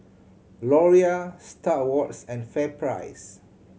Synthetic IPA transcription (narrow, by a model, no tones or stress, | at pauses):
lɔɹiastawɔtsɛ̃nfɛpʰɹa̰ɪs